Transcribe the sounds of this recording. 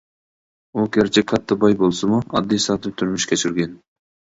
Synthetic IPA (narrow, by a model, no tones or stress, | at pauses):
okʲʰeɾt͡ʃʰekʰɑt̪ːɨbɑjbolˠsumʊɑ̰d̪ːijsɑt̪ɨp̚t̪ʰyɾmyʃkʲʰet͡ʃʰɪɾɡʲen